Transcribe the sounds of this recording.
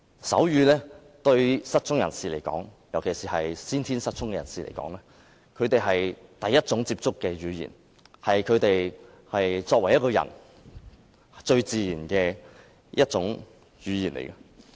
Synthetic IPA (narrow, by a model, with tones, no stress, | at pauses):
sɐ˨˥wjyː˨˧lɛː˥ | t̪ɵ˧ɥsɐ˥t̚t͡ʃʰʊ˥ŋjɐ̰˨˩nsiː˨˩lḛ˨˩jkɔ̰ː˨˥ŋ | jɐ˨˩wkʰe˨˩siː˨˩hɐ˨jsiː˥nt̪ʰiː˥nsɐ˥t̚t͡sʰʊ˥ŋkɛː˧jɐ̰˨˩nsiː˨lʔḛ˨˩jkɔː˨˥ŋlɛː˥ | kʰɵ˨˧ɥt̪e˨jɦɐ˨jt̪ɐ˨jːɐ˥t̚t͡sʊ˨˥ŋt͡siː˧p̚t͡sʊ˥kːɛː˧ɥyː˨˧jḭ˨˩n | hɐ˨jkʰɵ˨˧ɥt̪e˨j | hɐ˨jt͡sɔː˧k̚wɐ˨˩jɐ˥kɔː˧jɐ̰˨˩n | t͡ʃɵ˧ɥt͡siː˨jiː˨˩nkɛː˧ | jʔɐ˥t̚t͡sʊ˨˥ŋ | jyː˨˧jiː˨˩nlḛ˨˩jkɐ˧